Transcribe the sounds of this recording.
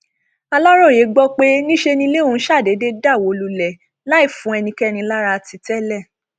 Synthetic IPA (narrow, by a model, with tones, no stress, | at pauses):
a˧lɔ˦ɾɔ̃˦˨je˨˦ɡ͡bɔ˦k͡pe˦nĩ˦ʃe˧nĩ˧le˦o˦˧n̩˦ʃa˦˨de˨˦de˦da˦˨wo˨˦lu˧lɛ˨ | la˦i˦˨fũ˨˦ɛ˧nĩ˧kɛ˦˧nĩ˧la˦ɾa˧ti˧tɛ˦lɛ˦˨